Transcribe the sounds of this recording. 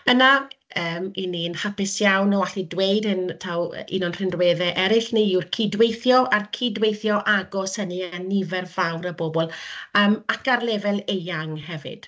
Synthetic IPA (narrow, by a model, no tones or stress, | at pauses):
ənaəːmininhapɪsjawnɔwaɬidwejdɨntʰaw̰ḭnɔnr̥ɪnrweːðɛʔɛɾɪɬniirkʰidwejθjɔarkʰidwejθjɔʔaɡɔsənianivɛrvawɾəbobɔlˠəːmakarlɛvɛlˠejaŋhɛvɪ̰d̥